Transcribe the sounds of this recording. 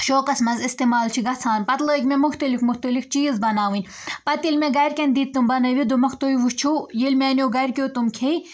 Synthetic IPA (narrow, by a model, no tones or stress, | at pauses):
ʃoːkɐsmɐzist̪emaːlt͡ʃʰiɡɐt͡sʰaːnpɐt̪ləːikʲmemʊxt̪ɐlifmʊxt̪ɐlift͡ʃiːzbɐnaːʋɨnʲ | pɐt̪ilmeɡɐjɾʲkʲɐnʲd̪iːt̪ːumbɐnɐʋid̪omɐxʰt̪oːiʋust͡ʃʰujilʲmʲeːnʲoːɡɐjɾʲkʲoːt̪umkʰej